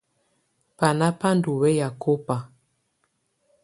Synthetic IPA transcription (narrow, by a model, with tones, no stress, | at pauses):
pa˨na˦pa˦n˦du˨wɛ˦ja˨kʰo˦pa˨